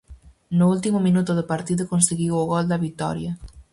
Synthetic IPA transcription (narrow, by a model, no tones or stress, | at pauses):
nʊult̪imʊminut̪ʊðɪpaɾt̪iðʊkonseɣiwoɣɔld̪ɐβit̪ɔ̰ɾjɐ